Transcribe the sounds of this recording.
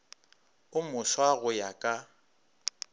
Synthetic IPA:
ʊmʊswaɣʊjakʼa

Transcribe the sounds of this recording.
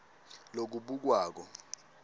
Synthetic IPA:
lok̬uɓuk̬waːk̬ɔ

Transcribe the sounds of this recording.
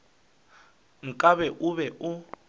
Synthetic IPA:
ŋ̩kʼaβɛʔuβɛʔu

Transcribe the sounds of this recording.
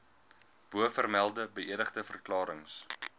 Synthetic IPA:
b̥uəfərmælˠdəbəʔiədəχdəfərklɑːɾəŋs

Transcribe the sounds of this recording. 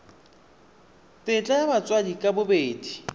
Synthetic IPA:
tʼɪt͡ɬʼajamat͡sʼwadikʼabʊbeːdi

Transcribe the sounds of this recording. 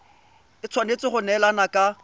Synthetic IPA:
ɪt͡sʰwanet͡sɪχʊnɛlanakʼa

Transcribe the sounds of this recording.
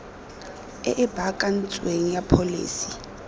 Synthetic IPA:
ɛʔɪbʱakʼan̩t͡sʼweŋ̩japʰolḭːsi̥

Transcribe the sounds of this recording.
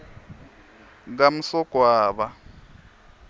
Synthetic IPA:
ɡ̬am̩sɔɡ̥ʱwaːβa

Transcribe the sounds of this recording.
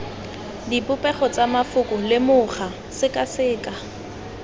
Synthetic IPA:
dipʼʊpʼɛχɔt͡sʼamafʊkʼʊlɪmʊχa | sɪkʼasɪːkʼa

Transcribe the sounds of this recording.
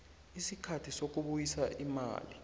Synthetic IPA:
isikʰatʰisok̬ʼuɓujisaʔima̰ːli

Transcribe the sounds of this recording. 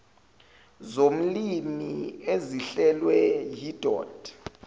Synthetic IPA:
zom̩limieziɬɛlwɛjid̥ʱɔ̰ːd̥

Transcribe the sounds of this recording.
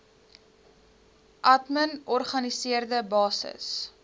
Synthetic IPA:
ʔɐtmənɔrχɐnisiərdəbɑːsə̰s

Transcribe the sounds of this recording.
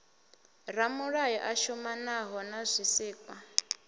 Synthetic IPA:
ɾamuɺajɔʔaʃumanaɦɔnazʷisiːkʼwa

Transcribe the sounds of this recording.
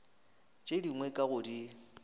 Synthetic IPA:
t͡ʃʼediŋwɛkʼaɣʊdi

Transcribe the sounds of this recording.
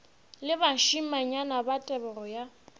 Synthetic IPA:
lɪbaʃimaɲanabatʼɛbɛrɔja

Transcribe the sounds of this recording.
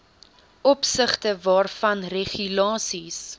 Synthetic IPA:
ʔɔpsəχtəvɑːrfɐnreχylɑːsis

